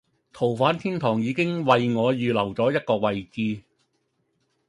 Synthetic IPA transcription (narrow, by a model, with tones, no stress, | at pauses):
t̪ʰo˨˩wfaː˨˥nt̪ʰiː˥nt̪ʰɔː˨˩ŋjiː˨˧kɪ˥ŋwɐ˨˧jŋɔː˨˧jyː˨˧lɐ˨˩wt͡sɔː˨˥jɐ˥t̚kɔː˧k̚wɐ˨˧jt͡siː˧